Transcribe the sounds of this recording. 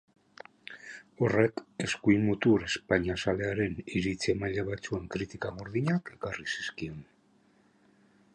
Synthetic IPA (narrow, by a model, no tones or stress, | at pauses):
o̞re̞ke̞skuimut̪uɾe̞spaɲasale̞aɾe̞niɾit͡semajʎeβat͡sue̞ŋkɾit̪ikaɣoɾðiɲake̞karisi̥skio̞n